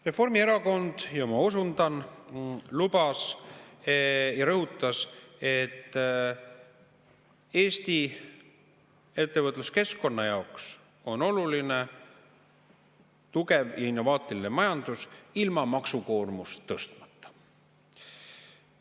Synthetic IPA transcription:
re̞fo̞rmie̞ɾɑko̞nd̪̥jɑmɑo̞sund̪ɑn | lub̥ɑs | jɑɾɤɦut̪ːˑɑse̞t̪ːˑ | e̞ːst̪i | e̞t̪ːe̞vɤt̪ˑluske̞skːo̞nːɑjɑoks | o̞no̞luline | t̪uke̞vjɑ̰inːo̞vɑːt̪ˑilinemɑjɑnd̪̥usilmɑmɑksuko̞ːrmust̪ːɤst̪mɑt̪ːɑ̥

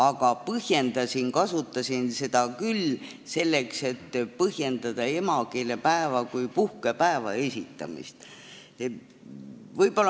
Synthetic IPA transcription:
ɑɡ̥ɑpɤhje̞nd̪̥ɑsʲinkɑsut̪ːˑɑsʲinse̞d̪̥ɑkylː | se̞lːe̞kse̞t̪ːpɤhje̞nd̪ɑd̪̥ɑe̞mɑkelepæevɑkujpuhkepæevɑ̰e̞sʲit̪ːˑɑ̰mḭst̪ | vɤjb̥o̞lː

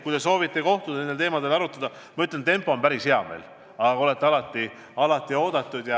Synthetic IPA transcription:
kujd̪e̞so̞ːvit̪ːˑe̞ko̞ht̪ud̪ɑnend̪elt̪e̞ːmɑd̪e̞lɑɾut̪ːˑɑd̪ɑ | mɑyt̪ːˑlent̪e̞mpːˑo̞ːmpæɾisheɑmḛl | ɑɑo̞let̪ːˑeɑlɑt̪ːˑi | ɑlɑt̪ːˑio̞ːd̪̥ɑt̪ˑːud̪̥jɑ

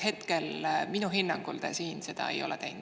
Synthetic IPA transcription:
he̞t̪ke̞lminuɦinːɑŋɡ̥uld̪̥esiːnse̞d̪̥ɑ̰ḛjo̞lɛt̪ejn

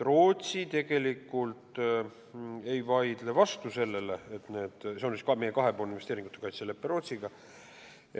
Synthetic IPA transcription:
ro̞ːt̪ʲsit̪e̞ɡ̥e̞likːˑult̪ | ejvɑjd̪̥le̞vɑst̪use̞lːe̞leet̪ne̞ːd̪̥seonsiskɑmejːe̞kɑɦe̞po̞ːlninve̞st̪eːɾiŋɡ̥ut̪e̞kɑjt̪selepːeɾo̞ːt̪siɡ̥ɑ

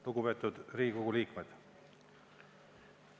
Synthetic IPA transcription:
luɡupe̞ːt̪ːˑud̪riːɡikoɡ̥ulʲiːkmed̪̥

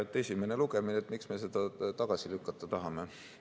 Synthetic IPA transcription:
et̪ːˑesʲime̞ne̞luɡ̥e̞mineet̪miksme̞s̬e̞d̪̥ɑt̪ɑɡ̥ɑsilykːɑt̪ːˑɑt̪ɑɦɑme̞

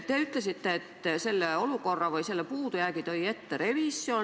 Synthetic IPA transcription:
t̪eeyt̪læsit̪ːeet̪selːæoluˑkorːɑʋɑiselːæpuːt̪ojæːkit̪oiet̪ːereʋiˑsːio

